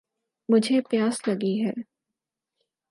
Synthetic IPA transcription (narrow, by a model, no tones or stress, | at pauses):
mʊd͡ʒʱepjaːslɐɡiɦɛː